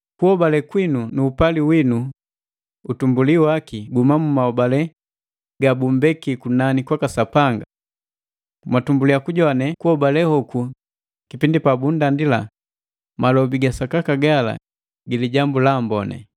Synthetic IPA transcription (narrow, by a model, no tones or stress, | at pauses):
kuhɔbalɛkwinunuːpaliwinu | utumbuliwakiɡumamumaɔbalɛ | ɡabumbɛkikunanikwakasapaŋɡa | matumbulijakuɟɔnɛkuhɔbalɛhɔku | kipindipabundandila̰ | malɔbiɡasakakaɡala̰ | ɡiliɟambulaːmbɔnɛ̰